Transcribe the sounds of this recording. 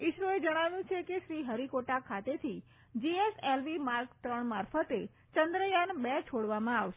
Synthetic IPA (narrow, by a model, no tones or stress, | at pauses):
iʃɾoed͡ʒəɽ̃aʋjũt͡ʃʰekeʃɾiɦəɾikoʈakʰat̪et̪ʰi | d͡ʒieselʋimaɾkt̪ɾəɳmaɾfət̪e | t͡ʃənd̪ɾəjanbɛt͡ʃʰoɽʋamãaʋʃe